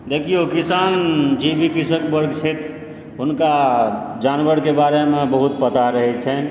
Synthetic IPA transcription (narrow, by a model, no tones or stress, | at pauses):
d̪ekʰijokisand͡ʒebʱikisəkbəɾɡt͡ʃʰɛt̪ʰ | ɦunkad͡ʒanbəɾkebaɾemebəɦut̪pət̪aɾəɦɛt͡ʃʰɛn